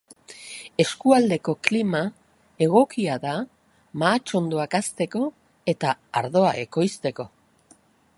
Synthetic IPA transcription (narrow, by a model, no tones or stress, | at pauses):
e̞skuald̪e̞ko̞klima | e̞ɣ̞o̞kiaða | maːt͡ʃo̞nd̪o̞akast̪e̞ko̞ | e̞t̪aːɾðo̞ae̞ko̞jst̪e̞ko̞